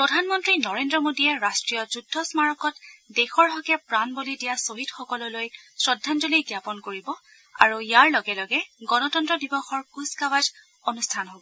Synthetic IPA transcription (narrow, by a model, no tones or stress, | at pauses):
pɹɔdʱanmɔntɹinɔɹendɹɔmodiɛɹastɹijɔzudʱːɔsmaɹɔkɔtdexɔɹɦɔkɛpɹanbolidijasoɦidxɔkɔlɔlojsɹɔdʱːand͡ʒɔliɡjapɔnkoɹibɔ | a̰ɹujjaɹlɔɡɛlɔɡɛɡɔnɔtɔntɹɔdibɔxɔɹkuskawaz | onustʰanɦobɔ